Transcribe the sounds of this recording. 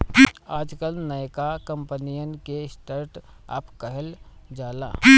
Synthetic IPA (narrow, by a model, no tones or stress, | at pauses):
aːd͡ʒkəlnəjkakə̃mpənijənkesʈəɾʈa̰ːpkəɦəld͡ʒaːla̰ː